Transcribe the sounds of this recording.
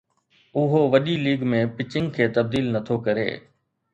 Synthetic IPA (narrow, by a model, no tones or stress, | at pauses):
ʊɦoʋɐɗiliːɡmẽpɪt͡ʃɪŋkʰeːt̪ɐb̚d̪iːlnɐt̪ʰokɐɾḛː